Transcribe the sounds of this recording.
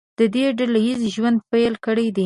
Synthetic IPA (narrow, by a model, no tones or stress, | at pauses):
d̪̥əd̪eɖalajizʒwand̪pajlkəɽajd̪e